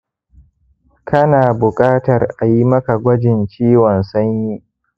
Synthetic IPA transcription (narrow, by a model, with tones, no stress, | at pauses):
kɐ˦naː˨bʊ˨kʼaː˦tɐ˨rʔa˨ji˦mɐ˦ka˨ɡʷɐ˦d͡ʒɪ˨nt͡ʃiː˦wɔ˨nsɐ˦ɲji˦